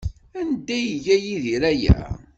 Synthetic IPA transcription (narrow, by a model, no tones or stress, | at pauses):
ænd̪ːæjʝæjiðiɾæjæ̰